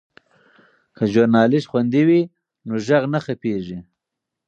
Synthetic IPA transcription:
kʰaʒʊɾnɑːlɪʃxwand̪iwi | noʒaɣnaxapeʐi

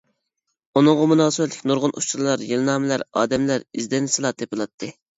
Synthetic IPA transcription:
unɨŋʁɑmunɑːsɨɛt̪lɪkʲnuɾʁʊnʔṵʃt͡ʃuɾlˠɑɾjelˠnɑːmɪlæɾɑ̰ːd̪ɛmlæɾizd̪ɛnsɨlˠɑt̪ʰepɨlˠɑt̪ʰːɨ

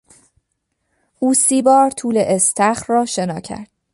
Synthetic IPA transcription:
ʔuːsiːbɒːɾt̪ʰuːleʔest̪ʰæχrɒːʃe̞nɒːcʰæ̰ɾd̪̥̚

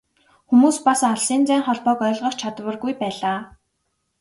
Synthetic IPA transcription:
xumuːspasaɮsiːnt͡sæːɴχɔɮpɔːkœ̆ːɮʁə̆χt͡ɕʰat̪wə̆rɣujpæːɮaː

